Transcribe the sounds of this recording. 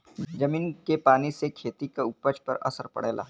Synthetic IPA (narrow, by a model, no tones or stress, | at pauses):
d͡ʒɐmiːnkepaːnisekʰeːt̪ikaʊpət͡ʃpɐɾɐ̰səɾpɐ̰ɽḛːlʔa̰ː